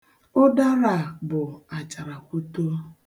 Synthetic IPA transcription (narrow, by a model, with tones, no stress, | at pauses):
ʊ˦da˦ɾa˨bʊ˨a˨t͡ʃa˨ɾa˨kʷu˦to˦